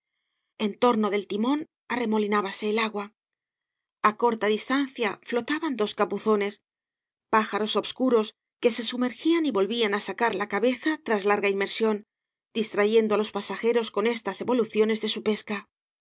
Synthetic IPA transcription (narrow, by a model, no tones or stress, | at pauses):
e̞nt̪o̞ɾno̞ðe̞lt̪imo̞n | are̞mo̞linaβase̞ːlaɣwa | ako̞ɾt̪aðist̪anθjaflo̞t̪aβand̪o̞skapuθo̞ne̞s | paxaɾo̞so̞βskuɾo̞s | ke̞se̞sume̞ɾxianiβo̞lβianasakaɾlakaβe̞θat̪ɾazlaɾɣainme̞ɾsjo̞n | d̪ist̪ɾaʝe̞nd̪oalo̞spasaxe̞ɾo̞sko̞ne̞st̪ase̞βo̞luθjo̞ne̞zðe̞supe̞ska